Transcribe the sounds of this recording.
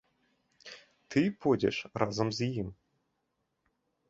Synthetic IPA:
t̪ɨpodʲḛʂrʔɑzɤ̆mzijim

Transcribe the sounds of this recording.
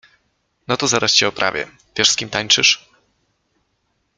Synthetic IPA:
nɔt̪ɔzaɾaɕt͡ɕɛɔpɾʔa̰vʲjɛ̰ | v̥ʲjɛʂskʲimt̪aɲt͡ʂɨʂ

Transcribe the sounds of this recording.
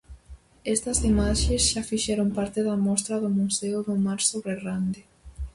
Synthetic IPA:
ɛst̪ɐsimaʃesʃafiʃɛɾompaɾt̪ɪðɐmɔst̪ɾɐðʊmuseʊðʊmaɾsoβɾerand̪ɪ

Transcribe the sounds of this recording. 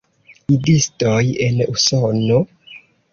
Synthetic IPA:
idistoje̞nusono

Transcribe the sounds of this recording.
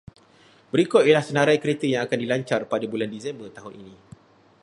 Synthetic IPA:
bəɾikɔt̪ijelahsənaɾajkəɾet̪əjaŋakandilaɲt͡ʃarpadabulandisɛmbərt̪aɦʊninĩ

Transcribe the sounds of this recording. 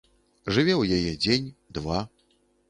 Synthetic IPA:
ʐɨvʲɛwjajɛd͡zʲenʲd̪va

